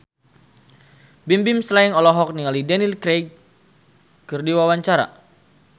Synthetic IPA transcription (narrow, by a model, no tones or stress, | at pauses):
bimbimslaiŋɔlɔɦɔk̚niŋalidɛnilkɾeɡ̚ | kɨrdiwawaɲt͡ʃaɾa̰